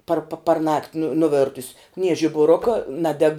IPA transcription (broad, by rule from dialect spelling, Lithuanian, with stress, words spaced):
pɐr pɐ pɐrˈnɐktʲ nʊ nʊˈʋʲeːrtʊsʲ nʲiɛ ʒʲɪbʊˈrʊkɐ ˈnɑːdʲɛk